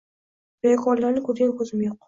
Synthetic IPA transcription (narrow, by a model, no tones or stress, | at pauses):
b̥ekʰɒɾlaɾnɪkʰɵɾɡʲankʰɵzɪmjoq